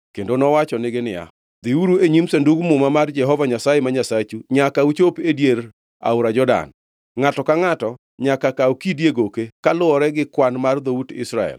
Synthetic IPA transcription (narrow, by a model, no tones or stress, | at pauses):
kendonɔwat͡ʃɔnɪɡɪnɪja̰ | d̪̥iuɾueɲimsenduɡmʊmamard͡ʒɛɦɔvaɲasajemaɲasat͡ʃuɲakaut͡ʃopedjeɾ | a̰ʊɾad͡ʒɔda̰n | ŋatɔkaŋatɔ | ɲakakaukidjeɡokekalʊɔɾɛɡɪkwanmard̪outɪ̰sɾaɛ̰l